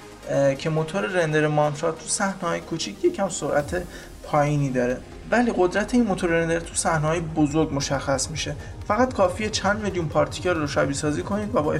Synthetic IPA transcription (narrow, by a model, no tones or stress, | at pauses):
cʰe̞mo̞t̪ʰoɾeɾend̪eɾemɒnt̪ɾɒt̪ːʰusæhnehɒːjekʰut͡ʃʰicʰje̞cʰhæmsoɾʔæt̪ʰe̞ | pʰɒːjiːniːd̪ɒːɾe̞ | væliːɢo̞d̪ɾæt̪ʰe̞inmo̞t̪ʰoɾeɾend̪eɾt̪ʰusæhneɦɒːjebozoɾɡmo̞ʃæxːæsmiʃe̞fæɣæt̪kʰɒːfiːjet͡ʃʰænd̪meljunpʰɒːɾt̪ʰi̥cʰɒɾɾoʃæbiːsɒːziːkʰo̞niːd̪væbɒːe